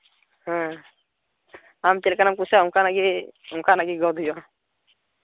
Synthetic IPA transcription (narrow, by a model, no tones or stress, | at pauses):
hɛ̃ | amt̪elɛkanamkusaũŋkanaɡiukʰanaɡiɡɔd̪ijɔ